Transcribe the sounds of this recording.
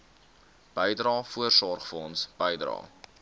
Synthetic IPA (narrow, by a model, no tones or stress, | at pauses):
b̥əjdrɑːfuərsɔrχfəɔnsb̥əjdrɑ̰ː